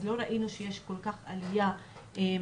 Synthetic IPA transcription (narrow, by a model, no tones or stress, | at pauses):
zlo̞ɾaʔinuʃejeʃko̞lkaχalijae